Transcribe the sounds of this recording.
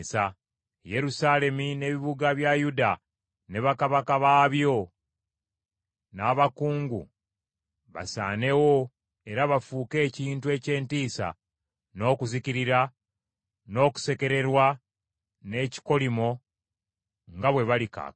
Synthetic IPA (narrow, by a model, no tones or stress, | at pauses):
sa | je̞ɾusaːle̞mine̞βiβuɡaβjajuda | ne̞βakaβakaβaːβjo̞ | naːβakuːŋɡṵ | βa̰sa̰ːne̞wo̞ | e̞ɾaβafuːke̞ːciːntue̞ːce̞ːntiːsa̰ | no̞ːkuziciɾiɾa | no̞ːku̥se̞ke̞ɾe̞ɾwa | ne̞ci̥ko̞limo̞ | ŋɡaβwe̞βalika̰ː